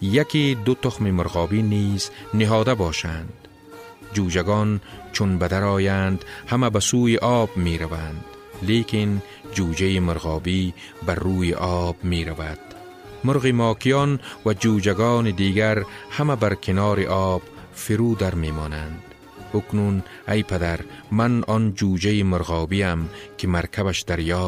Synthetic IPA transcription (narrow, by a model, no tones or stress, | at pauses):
jakid̪ʊt̪ʊxmimʊɾɣɒːbiːniːznɪɦɒːd̪abɒːʃand̪ | d͡ʒuːd͡ʒaɡɔːnt͡ʃʰʊnbad̪aɾɒːjand̪hamabasuːjiʔɒːbmeːɾavand̪ | leːkɪn | d͡ʒuːd͡ʒajimʊɾɣɒːbiː | baɾːuːjiʔɔːbmeːɾavad̪̥ | mʊɾɣimɔːkijɔːnwad͡ʒuːd͡ʒaɡɔːnid̪iːɡaɾhamabaɾkʰɪnɒːɾiʔɔːb̥fiɾuːd̪aɾmeːmɔːnand̪ | ʊknun | ajpad̪aɾmanɔnd͡ʒuːd͡ʒajimʊɾɣɑːbiːamkɪmaɾkʰaβaʃd̪aɾjɒː